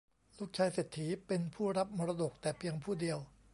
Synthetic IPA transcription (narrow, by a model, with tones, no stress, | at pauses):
luː˥˩k̚t͡ɕʰaː˧jse˨˩t̪ʰːiː˩˦pe˧npʰuː˥˩ɾa˦˥p̚mɔː˧ɾa˧do˨˩k̚t̪ɛː˨˩pʰi˧əŋpʰuː˥˩di˧əw